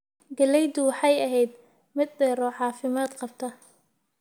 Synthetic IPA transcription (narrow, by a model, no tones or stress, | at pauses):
ɡɐlɛjd̪ʊwɑħɑjɐɦɛjd̪ | mɪd̪̚dɛːɾɔːʕɑːfɪmaːd̪qɑb̚t̪ʰɐ